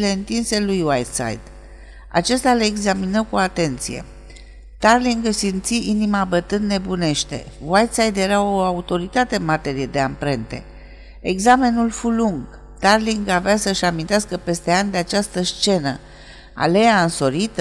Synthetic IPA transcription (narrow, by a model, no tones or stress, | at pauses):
le̞ɨnt̪inse̞lujwajt̪sa̰jd̪ | a̰t͡ʃe̞st̪ʲaleːɡzaminəkuat̪e̞nt̪sije̞̰ | t̪arliŋɡsimt̪siʔinimabət̪ɨnd̪ne̞bune̞ʃt̪e̞̰wajt̪sajd̪je̞ɾaoaut̪o̞ɾit̪at̪e̞nmat̪e̞ɾije̞d̪e̞ampɾe̞nt̪e̞̰ | eɡzame̞nulfuluŋɡ | t̪arliŋɡaveasəʃamint̪easkəpe̞st̪e̞anʲd̪e̞at͡ʃast̪əst͡ʃe̞nə | a̰le̞jaɨnso̞ɾit̪